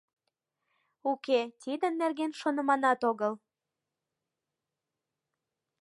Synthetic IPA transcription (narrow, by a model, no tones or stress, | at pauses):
uket̪id̪ə̆nːerɣenʃonə̆mɑnɑt̪oɣəl